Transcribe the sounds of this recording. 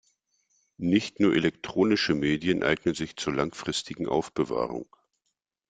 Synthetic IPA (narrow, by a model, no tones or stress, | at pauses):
nɪçtnuːɐʔelɛktʁ̥oːnɪʃəmeːdjənʔa̰ɪɡnənzɪçt͡suːɐlaŋfʁ̥ɪstʰɪɡŋ̩ʔa̰ʊfb̥əva̰ːʁʊ̰ŋ